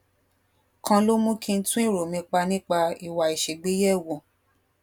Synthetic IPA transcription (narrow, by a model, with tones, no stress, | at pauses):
kʰã˧lo˦mũ˦kʰĩ˧n̩˦tũ˦ĩ˦˨ɾo˨mĩ˧k͡pa˧nĩ˦k͡pa˧i˨wa˨i˨ʃe˨ɡ͡be˦jɛ˦˨wɔ̃˨